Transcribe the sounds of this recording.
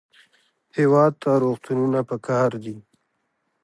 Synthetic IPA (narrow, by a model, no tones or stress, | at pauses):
hewɑd̪̚t̪aɾoxt̪ununapəkɑɾd̪i